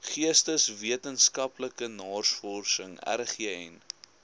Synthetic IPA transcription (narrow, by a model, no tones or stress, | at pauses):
χiəstəsviətənskɐpləkənɑːrsfɔrsəŋæ̰rχiəɛn